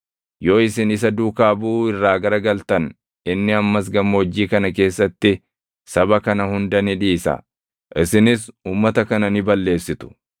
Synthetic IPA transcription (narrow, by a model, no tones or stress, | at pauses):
jo̞ːɪsɪnɪs̬ɐd̪uːkaːbuːɪrːaːɡɐɾɐɡɐlt̪ɐn | ɪnːɪɐmːɐs̬ɡɐmːɐɔd͡ʒːiːkɐnɐk̬e̞ːsːɐt̪ːɪ | sɐbɐkɐnɐhʊnd̪ɐnɪᶑiːsɐ̰ | ʔɪsɪnɪsuːmːɐt̪ɐkɐnɐnɪbɐlːe̞ːsːɪt̪ʊ̥